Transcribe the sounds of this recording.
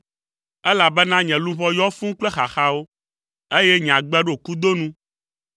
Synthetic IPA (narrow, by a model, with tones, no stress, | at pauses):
ɛ˦la˨bɛ˦nã˦ɲɛ̃˨lũ˦βɔ˦jɔ˦fũ˦ŋ˦k͡plɛ˦xa˨xa˦wo˦ | e˦jɛ˦ɲ̃˨ã˨ɡ͡bɛ˦ɖo˨ku˦d̪o˦nũ˦